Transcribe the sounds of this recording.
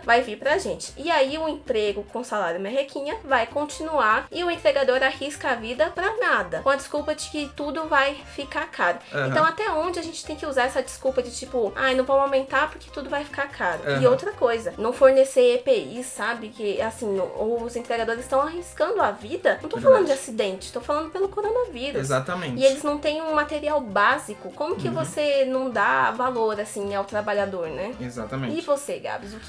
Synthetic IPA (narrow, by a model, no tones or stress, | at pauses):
vajviɾpɾɐʒẽnt͡ʃɪɪaiʊẽpɾeɡʊkõsalaɾjʊmɛhekʰĩɲɐvajkõt͡ʃinuaɾɪʊẽmpɾeɡad̪oɾahiskɐavid̪ɐpɾɐnad̪ɐkõɐd͡ʒɪskuwpɐd͡ʒɪkɪt̪ud̪ʊvajfikaɾkaɾʊẽnt̪ɐ̃w̃at̪ɛõnd͡ʒɪaʒẽnt͡ʃɪ̥t̪ẽj̃kɪuzaɾɛsɐd͡ʒɪskuwpɐd͡ʒɪt͡ʃipʊa̰jnɐ̃w̃võmawmẽnt̪aɾpʊɾke̥t̪ud̪ʊvajfi̥kaɾkʰaɾʊ̰ɪowt̪ɾɐkojzɐnɐ̃w̃foɾnesejepeisːabɪkɪasĩowʊzẽnt̪ɾeɡad̪oɾɪsst̪ɐ̃w̃ahiskɐ̃nd̪ʊavid̪ɐnɐ̃t̪offalɐ̃nd̪ʊd͡ʒɪasid̪ẽnt͡ʃɪ̥t̪owfalɐ̃nd̪ʊpelʊkoɾonɐviɾuszat̪ɐmẽɪelɪznɐ̃w̃t̪ẽj̃ũmat̪eɾiawbazikʊkõmʊkɪvosenɐ̃w̃d̪avaloɾasĩawt̪ɾabaʎad̪oɾnɛeza̰t̪ɐmẽɪvoseɡa̰bɪzʊkɪ